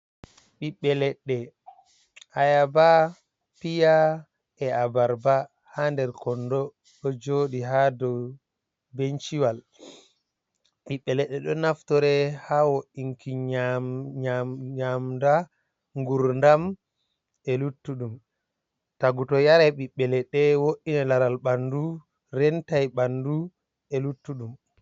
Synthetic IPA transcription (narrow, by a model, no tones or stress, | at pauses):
ɓiɓːɛlɛɗːɛ | ʔajaba | pija | ɛabaɾba | handɛɾkɔndɔ | ɗɔd͡ʒoːɗiɦadɔw | bent͡ʃiwal | ɓiɓːɛlɛɗːɛɗɔnaftɔɾɛhawoʔiŋkiaɲaɲamda | ŋɡuɾndam | ɛlutːuɗum | taɡutɔjaɾɛɓiɓːɛlɛɗɛwoʔinalaɾalɓandu | ɾɛntajɓandu | ɛlutːuɗum